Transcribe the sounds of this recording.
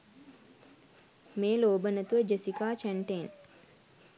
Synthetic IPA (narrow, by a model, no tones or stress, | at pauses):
meːloːbənət̪uʋəd͡ʒesikaːt͡ʃæɳʈen